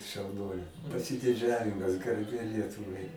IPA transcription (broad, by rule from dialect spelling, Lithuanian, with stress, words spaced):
ʃɐʊˈnuɔlʲeː pɐsʲɪdʲɪˈd͡ʒʲæːʋʲɪmɐs ɡɐrʲˈbʲeː ˈlʲiɛtʊʋɐɪ